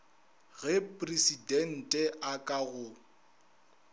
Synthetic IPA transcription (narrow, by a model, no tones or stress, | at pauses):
ɣɛpʼresidɛn̩tʼɛʔakʼaɣʊ